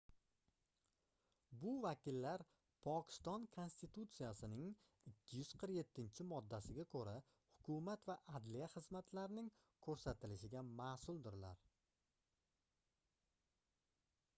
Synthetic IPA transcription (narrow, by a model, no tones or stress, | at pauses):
bʊvakʲɪlːaɾ | pʰɒkʲɪ̥st̪ɒnkʰo̞nst̪ɪt̪ut̪sijasɪnɪŋ | ɪkʲʰːɪjʉz̥qʰɨɾkje̞t̪ʰːɪnt͡ʃʰɪmɒd̪ːasɪɡʲakʰɵɾa | hʊkʰʊmat̪vaʔad̪lijaχɨzmat̪ʰlaɾɪnɪŋ | kʰɵɾsat̪ɪlɪʃɪɡʲamaːsʊlˠd̪ɪɾla̰ɾ